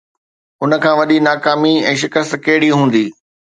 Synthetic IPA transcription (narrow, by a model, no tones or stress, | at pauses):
ʊnə̆kʰãːʋɐɗinaːkaːmiɛ̃ːʃ̬ɪkəst̪kɐɦɪɽiɦũːn̆d̪iː